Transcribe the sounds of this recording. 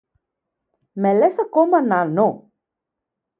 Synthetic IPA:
mɛlesakomanano

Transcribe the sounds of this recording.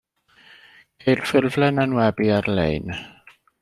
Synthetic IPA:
kʰejrfɪrvlɛnanwɛbiarlḛjn

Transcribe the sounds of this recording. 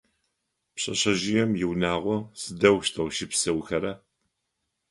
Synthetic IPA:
pɕʼɐ̰ɕɐʒɪjɛmjɪwnaːʁʷɔsɨdɐwʃtʰɐwʃɪpsɐwxɐɾɐ

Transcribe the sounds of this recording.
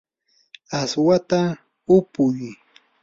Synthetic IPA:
aswat̪a | ʊpʊj

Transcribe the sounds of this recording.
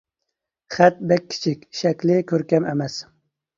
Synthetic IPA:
χɛt̪̚bɛkʲʰːi̥t͡ʃʰikʲʃɛkʲlɪkʲʰøɾkʲɛmɛ̰mɛs

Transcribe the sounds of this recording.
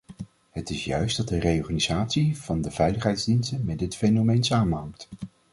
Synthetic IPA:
ɦətɪsjœ̰ɥsdɑt̚dərejɔɹχaːnizaːtsiv̥ɑndəv̥ɛjləχɦɛjdzdinstənmɛd̚dɪtfejnomejnsaːmənɦɑŋt

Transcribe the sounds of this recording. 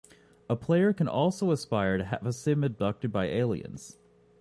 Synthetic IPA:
əpʰl̥eɪə˞kɨ̃nʔɔlˠsoʊəspaɪə˞ɾɨɦæ̰vəsɪ̃mɨdʌk̚tɨd̚baɪʔeɪlˠḭɨ̰̃nz̥

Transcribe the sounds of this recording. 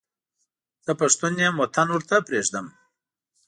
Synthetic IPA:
z̥əpaʂt̪unjemot̪ʰanwʊɾt̪apɾeʐd̪əm

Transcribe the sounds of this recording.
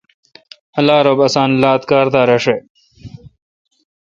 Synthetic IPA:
ɐlaːɾobɐsaːnlaːt̪kaːɾt̪aːɾɐʂe

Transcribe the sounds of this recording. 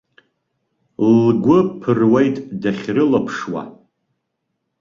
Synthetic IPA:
lɡʷʊpʰɨrwejtʼdaχʲrɨlapʰʂwa̰

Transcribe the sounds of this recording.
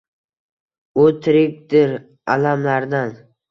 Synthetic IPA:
ʊt̪ʰɪɾɪk̚ʲd̪ɪɾ | alamlaɾd̪an

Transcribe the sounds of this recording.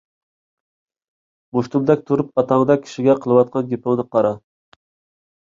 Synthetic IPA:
buʃt̪umlɛk̚ʲt̪ʰuɾupɑt̪ʰɑŋəd̪ɑkʲʰi̥ʃiɡʲɛqʰəlˠɨwɑt̪̚qʰɑnɡʲepʰʊŋnɨqʰɑɾɑ

